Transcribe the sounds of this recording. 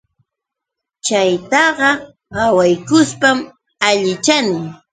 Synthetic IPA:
t͡ʃajt̪ɑɢɑ | ɢɑwajkʊspam | aʎɪt͡ʃanɪ

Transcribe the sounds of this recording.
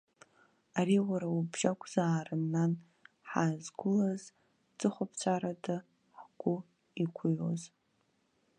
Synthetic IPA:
aɾiwaɾaubʒakʷʰʼz̥aːrɨnːan | ħazɡʷʊlaz | d͡zʼɨχʷapʰt͡ɕʷʰaɾada | ħɡ̥ʷʊ | ikʷʰʊjoz

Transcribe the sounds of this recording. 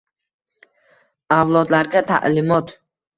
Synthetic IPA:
awlˠɒd̪laɾɡʲat̪ʰa̰ʔlɪmɒt̪

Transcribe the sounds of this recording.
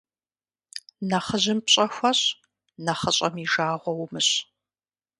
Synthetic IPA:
nɐχəʑɪmpɕʼɐxʷɐɕ | nɐχəɕʼɐmiʒaːʁʷɔwmɨɕ

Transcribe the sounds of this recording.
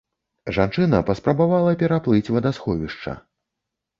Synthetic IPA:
ʐant͡ʂɨnɐpɐspɾɐbavalˠɐpʲɛɾaplˠɨt͡sʲvɐd̪asxɔvʲiʂt͡ʂɐ̰

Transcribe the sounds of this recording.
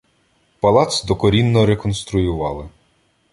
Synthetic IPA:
pɐlˠɑt̪sd̪ɔkɔɾʲinːɔɾekɔnst̪ɾʊjʊʋɑlˠɪ

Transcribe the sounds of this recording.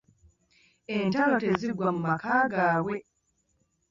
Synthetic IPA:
entaloteziɡwamumakaːɡaːwe̞

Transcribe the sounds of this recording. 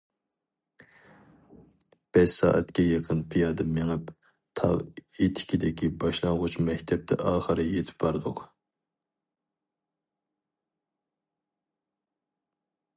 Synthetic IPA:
b̥ɛʃsɑ̰ːʔɛ̰t̪kʲɛjəqʰənpʰijɑːd̪ɨmeŋɨp | t̪ʰɑ̰ʁet̪ʰɪ̥kʲid̪ɪkʲibɑʃlˠɑŋʁʊt͡ʃmɛkʲt̪ʰɛp̚t̪ʰɛʔɑːχəɾɨjet̪ʰɪ̥pb̥ɑɾd̪ʊq

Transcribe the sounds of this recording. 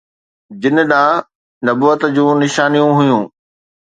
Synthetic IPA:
d͡ʑɪn̆ɗãː | nɐbuːət̪d͡ʑũːnɪʃaːnijũɦʊjũː

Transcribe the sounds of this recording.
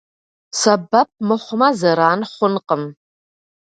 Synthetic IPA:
sɐbɐp̚mɨχʷʊmɐzɐɾaːnχʷʊnqəm

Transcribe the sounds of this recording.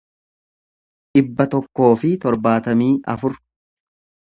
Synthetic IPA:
ᶑɪbːɐt̪ɔkːo̞ːfɪt̪ɔɾbaːt̪ɐmiːʔɐ̰fʊɾ

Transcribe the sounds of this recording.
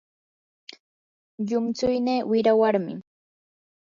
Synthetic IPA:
ʎʊmt͡sʊjneːwɪɾawaɾmɪ̰

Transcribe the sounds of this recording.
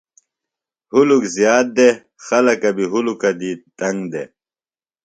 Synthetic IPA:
hulukzjaːt̪̚d̪e | xɐlɐkɐbiɦulukɐd̪it̪ɐŋɡd̪e

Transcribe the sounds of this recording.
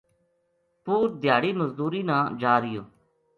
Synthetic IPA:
puːɾd̪ɪjaːɽiːməzd̪uːɾiːnãːd͡ʒaːɾɪjõː

